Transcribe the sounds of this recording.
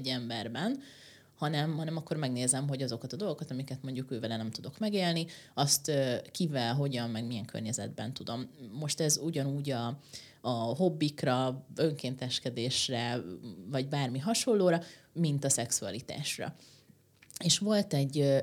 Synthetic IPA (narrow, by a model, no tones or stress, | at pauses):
ɟːɛmbɛrbɛn | hɒnɛmɦɒnɛmɒkːo̞rmɛɡneːzɛmɦo̞ɟɒzo̞kɒt̪ɒd̪olɡo̞kɒt̪ɒmikɛt̪mo̞ɲɟukøːvɛlɛnɛmt̪ud̪o̞kmɛɡeːlniɒst̪økivɛlɦo̞ɟɒmmɛɡmijɛŋkʰø̰rɲɛzɛ̰d̪bɛ̰n̪t̪ud̪o̞mːo̞ʃt̪ɛzuɟɒnuːɟɒː | ɦo̞bːikrɒøŋkeːnt̪ɛʃkɛd̪eːʃrɛvɒɟbaːrmiɦɒʃo̞lːoːɾɒ | mint̪ɒsɛksuɒ̰lit̪a̰ːʃrɒ̰ | eːʃʋo̞lt̪ɛɟː